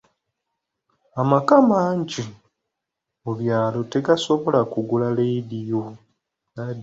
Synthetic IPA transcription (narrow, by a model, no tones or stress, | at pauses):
amakamaːɲɟi | uβjaːlo̞te̞ɡaso̞βo̞lakuɡulalejdijo | na